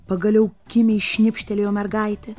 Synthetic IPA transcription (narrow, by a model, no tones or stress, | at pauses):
pɐɡɐlʲɛʊkʲɪmʲɛʃʲnʲɪpʲʃʲt̪ʲɛlʲeːjoːmʲɛɾɡɐɪt̪ʲɛ